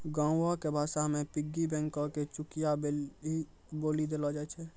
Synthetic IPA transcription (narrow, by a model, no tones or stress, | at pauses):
ɡãɔkebʱasamepiɡːibɛ̃ŋkɔket͡ʃukijai | bolid̪elɔd͡ʒaɛt͡ʃʰɛ